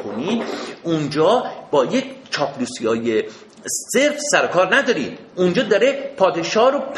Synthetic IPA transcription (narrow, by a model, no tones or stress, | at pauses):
konid̪und͡ʒɒːb̥ɒːjekt͡ʃʰɒːpʰlusijɒːje | se̞ɾfsæɾokʰɒːɾnæd̪ɒːɾiːd̪̥ | und͡ʒɒːd̪ɒɾe̞pʰɒːd̪eʃɒːɾopʰ